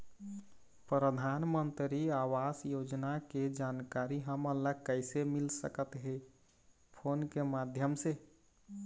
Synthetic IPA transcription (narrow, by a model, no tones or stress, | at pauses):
pɾəd̪ʱanmənt̪ɾiawasjod͡ʒnaked͡ʒankaɾiɦəməlːəkəɪsemilsəkət̪ɦe | pʰonkemad̪ʱjəmse